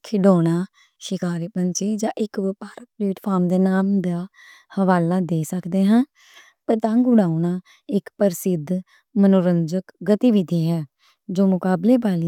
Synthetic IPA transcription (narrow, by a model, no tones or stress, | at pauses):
kʰɪɖoːɽaː | ʃɪkaːɾeːpənt͡ʃiːd͡ʒãːʔɪkpaːɾaːpɾeːʈpʰaːɾmd̪eːnaːmd̪aː | həʋaːlaːd̪eːsəkd̪eːɦãː | pəɾt̪ãːŋɡʊɽaːunaː | ɪkpəɾsɪd̪ | mənoːɾənd͡ʒəkɡət̪iːʋɪd̪iːɦɛː | d͡ʒoːmʊkaːbleːbaːli